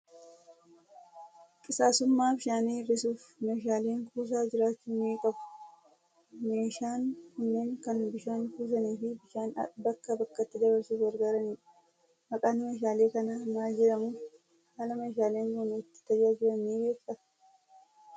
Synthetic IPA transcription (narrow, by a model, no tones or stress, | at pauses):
kʼɪsaːsʊmːaːbɪʃaːniːɾɪsuːfmeːʃaːle̞ːŋkuːs̬aːd͡ʒɪɾaːt͡ʃːuːniːkʼɐbʊ̥ | meːʃaːŋkʊnːeːŋkɐnbɪʃaːŋkuːs̬ɐniːfɪbɪʃaːn̰bɐkːɐbɐkːɐt̪ːɪd̪ɐbɐɾsuːfɡɐɾɡaːɾɐniːᶑɐ̥ | mɐkʼaːnɪmeːʃ̬aːle̞ːkɐnɐmaːd͡ʒɛɾɐmʊ | haːlɐmeːʃ̬aːleːŋɡonɪt̪ːɪ̥t̪ɐd͡ʒaːd͡ʒɪɾɐnːiːɡeːfɐt̪ɐ̥